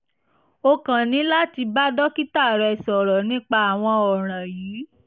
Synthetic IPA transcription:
o˧kã˨nĩ˨˦la˦ti˧ba˦dɔ˦ki˦ta˦˨ɾɛ˧˨sɔ˨ɾɔ˨nĩ˦k͡pa˧a˨w̃ɔ̃˧ɔ˨ɾ̃ã˨jiː˨˦

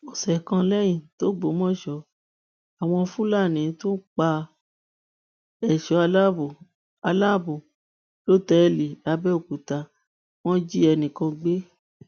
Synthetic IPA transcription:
o˨sɛ˨kã˧lɛ˦j̃ĩ˨to˨˦ɡ͡bo˨˦mɔ̃˦˨ʃɔ˧˦ | a˨w̃ɔ̃˧fũ˦la˦˨nĩ˨˦tũ˦k͡pa˧ | ɛ˨ʃɔ˨˦a˧la˦bo˨ | a˧la˦˨bu˨ | lo˦˨tɛ˨˦li˨la˨˧˦bɛ˦o˦˨ku˨ta˧ | w̃ɔ̃˦d͡ʒi˦ɛ˧nĩ˨kã˧ɡ͡be˦

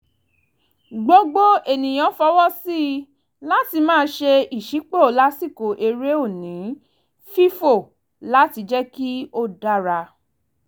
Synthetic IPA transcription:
ɡ͡bo˧˦ɡ͡bo˦e˨nĩ˨j̃ɔ̃˨˦fɔ˧˦wɔ˦si˦˧˦ | la˦ti˧mãː˦˧˦ʃe˧i˨ʃi˨˦k͡po˦o˨la˦si˦˨ko˨ʔe˧ɾe˦o˦˨nĩ˨˦ | fi˦fo˦˨ | la˦ti˧d͡ʒɛ˦ki˦o˦da˦ɾa˧

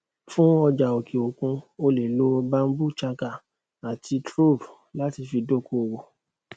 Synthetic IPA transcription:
fũ˦ɔ˧d͡ʒa˨o˨kʰi˨o˨kũ˧o˧le˨lo˨˦ba˦m̩˦bu˦t͡ʃa˧ka˦˨ | a˨tʰi˧tɾo˦˨b | la˦ti˧fi˧do˦˨ko˧˦˨wo˨

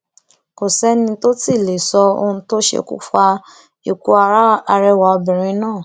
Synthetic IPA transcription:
ko˨sɛ˦nĩ˧to˦ti˦˨le˨sɔ˧o̰˧ũ˧to˦ʃḛ˧kṵ˦fa˧ | i˨ku˧a˧ɾa˦a˧ɾɛ˧wa˨ɔ˧bĩ˨ɾ̃ĩ˧˦nãː˦˨

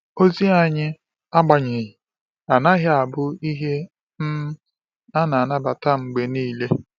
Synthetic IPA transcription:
o˦zi˦a˨ɲɪ˦ | a˦ɡ͡ba˨ɲɪ˨ɦi˨ | a˨na˦ɦa˦a˨bʊ˦i˦ɦe˦ | m̩˦ | a˦na˨na˦ba˨ta˦ŋ͡m̩˨ɡ͡be˨niː˦le˦

